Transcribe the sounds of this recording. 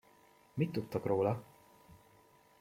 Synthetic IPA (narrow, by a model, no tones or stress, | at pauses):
mit̪ːut̪ːokroːlɒ